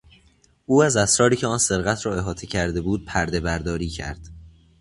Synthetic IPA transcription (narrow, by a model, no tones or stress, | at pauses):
ʔuːæzæsɾɒːɾiːcʰeɒːnse̞ɾɣæt̪ʰɾɒːe̞ɦɒːt̪ʰe̞cʰæɾd̪e̞buːd̪̥̚pʰæɾd̪e̞bæɾd̪ɒːɾiːcʰæ̰ɾd̪̥